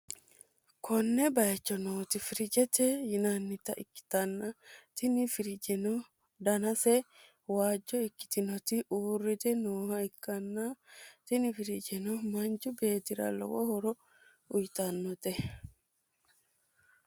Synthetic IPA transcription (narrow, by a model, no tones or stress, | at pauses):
kʰɔnːɛbɐjɐt͡ʃːɔnoːt̪ɪfɪɾɪd͡ʒɛt̪ɛjɪnanːɪt̪ɐʔɪkːɪ̥t̪ɐnːɐt̪ɪnɪfɪɾɪd͡ʒɛnɔ | d̪ɐnɐsɛ | waːd͡ʒːɔɪkːɪ̥t̪ɪnɔt̪ɪuːrːɪt̪ɛnoːhɐɪkːɐnːɐt̪ɪnɪfɪɾɪd͡ʒɛnɔmɐnt͡ʃʊbe̞ːt̪ɪɾɐ̰lɔ̰wɔ̰hɔɾɔ | ʊjt̪ɐnːɔt̪ɛ